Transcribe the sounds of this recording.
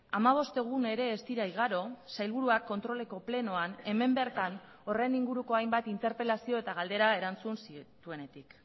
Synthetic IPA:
amaβ̞o̞st̪e̞ɣ̞une̞ɾe̞ːst̪iɾajɣ̞aɾo̞sajlβ̞uɾuakːo̞nt̪ɾo̞le̞ko̞ple̞no̞ane̞me̞mbe̞ɾt̪an | o̞re̞niŋɡuɾuko̞ajmbat̪int̪e̞ɾpe̞lasio̞e̞t̪aɣ̞ald̪e̞ɾae̞ɾant͡sunsit̪ue̞ne̞t̪ik

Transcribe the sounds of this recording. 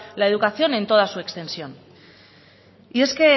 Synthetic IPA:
lae̞ð̞ukaθio̞nent̪o̞ð̞asue̞kst̪e̞nsio̞n | ie̞ske̞

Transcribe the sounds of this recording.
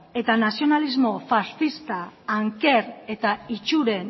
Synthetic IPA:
e̞t̪anasio̞nalizmo̞fasθist̪aːŋke̞ɾe̞t̪ait͡ʃuɾe̞n

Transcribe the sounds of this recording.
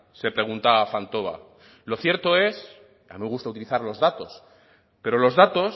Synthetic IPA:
se̞pɾe̞ɣ̞unt̪aafant̪o̞β̞a̰ | lo̞θje̞ɾt̪o̞e̞s | a̰mĩmeɣust̪aut̪iliθaɾlo̞zðat̪o̞s | pe̞ɾo̞lo̞zðat̪o̞s

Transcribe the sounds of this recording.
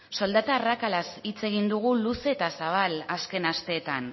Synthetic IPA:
so̞ld̪at̪aːrakalasit͡se̞ɣ̞ind̪uɣ̞uluse̞t̪asaβ̞alaske̞nast̪e̞ːt̪an

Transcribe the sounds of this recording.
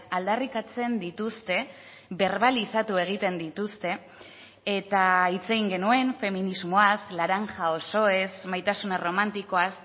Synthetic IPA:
ald̪arikat͡se̞nd̪it̪ust̪e̞ | βe̞ɾβalisat̪ue̞ɣ̞it̪e̞nd̪it̪ust̪e̞ː | t̪ait͡se̞ɣiŋɡe̞nue̞nfe̞minizmo̞aslaɾaŋʝao̞so̞e̞smajt̪asunero̞mant̪iko̞as

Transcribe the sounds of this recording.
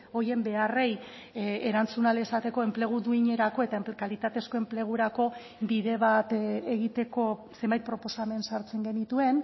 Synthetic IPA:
o̞je̞mbe̞are̞j | eɾant͡sunaleesat̪e̞ko̞e̞mple̞ɣ̞uðuiɲe̞ɾako̞e̞t̪aekalit̪at̪e̞sko̞e̞mple̞ɣ̞uɾako̞ | biðe̞βat̪eɣit̪e̞ko̞ | se̞mbajt̪̚pɾo̞po̞same̞nsaɾt͡se̞ŋɡe̞nit̪ue̞n

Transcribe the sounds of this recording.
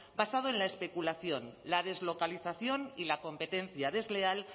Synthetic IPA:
basað̞oe̞nlaespe̞kulaθjo̞nlað̞e̞zlo̞kaliθaθjo̞nilako̞mpe̞t̪e̞nθjað̞e̞zle̞al

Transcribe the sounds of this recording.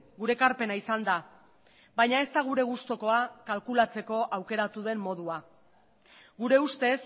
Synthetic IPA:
ɡuɾe̞kaɾpe̞naisand̪a | bajɲae̞st̪aɣ̞uɾe̞ɣ̞ust̪o̞ko̞akalkulat͡se̞ko̞ʔawke̞ɾat̪uðe̞mːo̞ð̞ua | ɡuɾe̞ust̪e̞s

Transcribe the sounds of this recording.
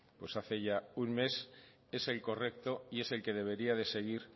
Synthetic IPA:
pwe̞saθe̞ʝaunme̞s | e̞se̞lko̞re̞k̚t̪o̞ie̞se̞lke̞ð̞e̞β̞e̞ɾiaðe̞se̞ɣ̞iɾ

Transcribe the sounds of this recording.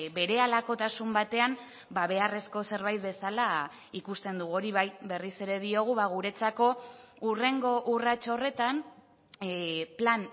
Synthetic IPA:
be̞ɾe̞alako̞t̪asumbat̪e̞am | baβ̞e̞are̞sko̞se̞ɾβajt̪̚be̞sala | ikust̪e̞nd̪uɣo̞ɾiβajβe̞rise̞ɾe̞ðio̞ɣ̞uβaɣ̞uɾe̞t͡sako̞ure̞ŋɡo̞ʔurat͡ʃore̞t̪an | plan

